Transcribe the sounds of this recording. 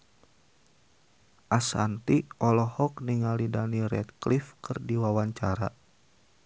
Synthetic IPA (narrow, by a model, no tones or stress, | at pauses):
ʔasa̰nt̪iɔlɔhɔk̚niŋalidaniɾɛ̰t̪̚klifkɨrdiwawaɲt͡ʃaɾa̰